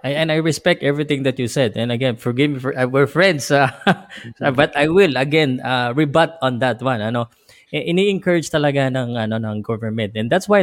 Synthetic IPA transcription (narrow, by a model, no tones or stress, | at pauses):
ʔajɛ̃nd̪ajɹɛspɛk̚t̪ʔɛvɹit̪ɪ̃ŋd̪ɐt̪jusɛd̪ɛ̃nɐɡɛ̃nfɔɹɡɪvmifwɛɹfɹɛ̃nd̪sa | abɐt̪ajwɪlɐɡɛ̃naɹibat̪̚ɔ̃nd̪ɐt̪wãnɐno | ʔɛʔɪniʔɪŋkəɹɪd͡ʒt̪ɐlɐɡanɐŋʔɐno̞nɐŋɡɔvəɹmɛ̃nt̪ɛ̃nd̪at̪swaj